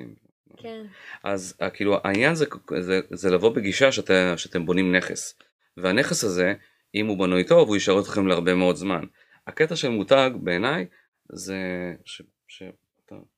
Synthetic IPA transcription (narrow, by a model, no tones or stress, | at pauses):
m̰ | ʔazakiːluʔa̰iɲanzekzezelavo̞beɡiʃaʃeateʃeat̪e̞mbo̞nimne̞χḛs | veane̞χesaze̞ | imubanojt̪o̞vujiʃaʁotlaχe̞mleaʁbe̞meo̞dzman | aketaʃe̞lmutaɡbe̞ːnaj | zeʃe | ʃe | at̪a̰